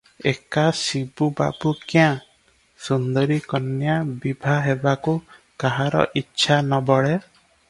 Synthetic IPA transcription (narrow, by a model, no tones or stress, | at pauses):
ekasibuba̰bukjã | sund̪ɔɾikɔnjabibʱaɦebaku | kaɦaɾɔ̰ʔitːʃʰanɔbɔɭe